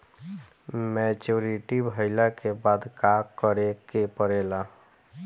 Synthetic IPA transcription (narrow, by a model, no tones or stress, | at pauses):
mɛt͡ʃuːɾiʈibʱəɪlakebaːd̪kakəɾekepəɾeːla